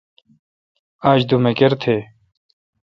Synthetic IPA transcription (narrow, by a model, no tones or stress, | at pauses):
aːɕd̪umekeɾt̪ʰeː